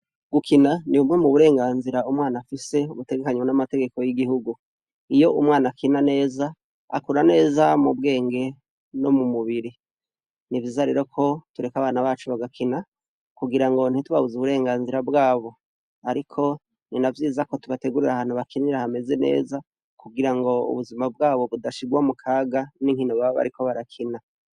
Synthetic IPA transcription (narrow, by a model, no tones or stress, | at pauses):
ɡ̥ukʰinaniumŋe̞muβuɾe̞ːŋɡaːnziɾaumŋaːnafise̞umute̞ɡe̞kaɲwonamate̞ɡe̞ko̞jiɡiɦuɡu | ijo̞ʔumŋaːnakinane̞ːza | a̰kuɾane̞ːzamub̚ɡe̞ːŋɡe̞ | no̞mumuβiɾi | nivjiːzaɾe̞̰ːɾo̞kʰo̞tuɾe̞kaβaːnaβaːt͡ʃuβaɡakʰina | kuɡiɾaŋɡo̞n̥hituβaβuzuβuɾe̞ːŋɡaːnziɾabɡaːβo̞ | aɾikʰo̞ | ninavjiːzako̞tuβateɡuɾiɾaɦaːn̥huβakʰiniɾahame̞ze̞ne̞̰ːza | kuɡiɾaŋɡo̞ṵβuzimab̚ɡaːβo̞βudaʃiɡwamukʰaːɡaniŋ̥hinoβaoβa̰ɾikʰo̞βaɾakʰina